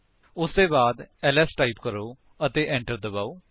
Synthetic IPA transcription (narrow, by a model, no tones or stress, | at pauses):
ʊsd̪eːbaːd̪ɛːlɛːsʈaːiːpkəɾoː | ət̪eːʔɛ̃ːɳʈəɾd̪əbaːoː